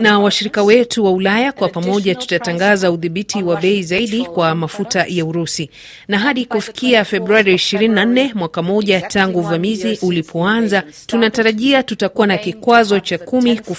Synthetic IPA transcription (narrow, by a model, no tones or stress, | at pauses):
nawaʃiɾikawɛtuwaulajakwapamɔʄatu̥tataŋɡazauðiɓitʰiwaɓɛizaiɗikwamafutajauɾusi | naɦaɗikufi̥kiafɛbɾuaɾiːʃiɾininan̩nɛmwakamɔʄataŋɡuːvamiziʔulipʰɔanza | tunataɾaʄiatutakuwanakikwazɔt͡ʃakumiku